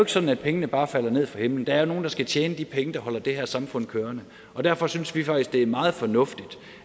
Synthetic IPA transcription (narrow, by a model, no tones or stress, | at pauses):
e̝ɡ̥sɒ̽d̥n̩æd̥̚pʰeŋənəb̥ɑ̈ːfæl̰ɐne̝ð̞̰ˠfʁɑ̈he̝mln̩d̥ɑ̈æɐno̝ːn̩d̥ɑ̈sɡ̥æt͡ɕʰjeːnəd̥ipʰeŋəd̥ɑ̈hɒ̽l̰ɐd̥e̝hæɐ̰sɑ̈mfɔ̽n̰kʰøːɐnə | ʔɒ̽d̥æɐfɒ̽synsʋifɑ̈ɡ̥isɡ̥d̥e̝æɐmɑ̈ːð̞̩ˠfɒ̽nɔ̽fd̥id̥